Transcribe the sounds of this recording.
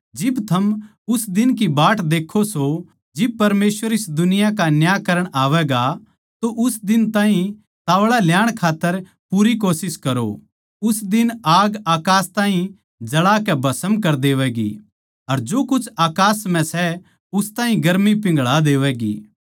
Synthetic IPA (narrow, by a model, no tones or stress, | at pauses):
d͡ʒɪbt̪ʰɐm | ʊsd̪ɪnk̬ibaːʈd̪eːkʰoso | d͡ʒɪb̚pɐɾmeːsʋəɾɪsd̪ʊnɪjakanjaːkɐɾəɽ̃aːʋɛːɡa | t̪oʔʊsd̪ɪnt̪ãːɦĩ | t̪aːʋɭaljaːɽ̃kʰaːt̪ːəɾ | puːɾik̬oːsɪskɐɾo̰ | ʊsd̪ɪnaːɡaːkaːst̪ãːɦĩ | d͡ʒɐɽakɛbʱɐsəmkɐɾd̪eːʋɛɡḭ | ɐɾd͡ʒoːkʊt͡ʃʰaːkaːsmɛ̃sɛ | ʊst̪ãːɦĩɡɐɾmipɪ̃ŋɡɭad̪eːʋɛːɡḭː